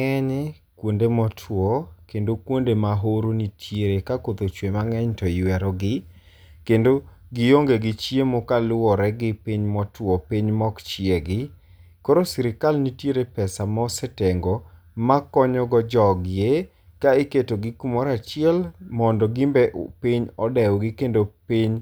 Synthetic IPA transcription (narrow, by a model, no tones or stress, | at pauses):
ɛɲ | kwondemɔtʰwɔkendokwondemaɦoɾonitʰjeɾekakot̪ot͡ʃwemaŋɛɲtɔjwɛɾɔɡɪ | kendo | ɡɪjoŋɡeɡɪt͡ʃiemokalʊwɔɾɛɡɪpiɲmɔtwɔpiɲmɔkt͡ʃɪeɡɪ | koɾosɪɾɪkalnitjeɾepɛsamɔsɛteŋɡɔ | makɔɲɔɡɔd͡ʒɔɡɪje | kaeketoɡɪkumɔɾat͡ʃɪɛlmɔndɔɡimbɛʔpiɲɔdɛwɡɪkendopiɲ